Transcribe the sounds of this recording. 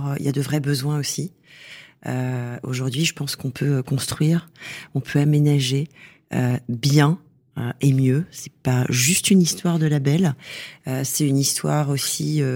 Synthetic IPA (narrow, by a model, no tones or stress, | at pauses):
øḭljad̪əvʁɛbəzwɛ̃osi | øo̰ʒuʁd̪ɥiʒəpɑ̃skɔ̃pʰøkɔ̃st̪χɥiːʁɔ̃pʰøamenaʒe | øbjɛ̃ | øemjøsɛ̥paʒyst̪ynist̪waʁd̪əlabɛløsɛynist̪waʁosiø